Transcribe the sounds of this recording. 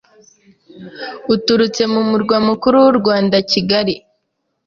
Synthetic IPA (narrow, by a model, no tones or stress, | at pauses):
utuɾut͡se̞mumuɾɡwamukuɾuwuɾɡwaːndaciɡaɾi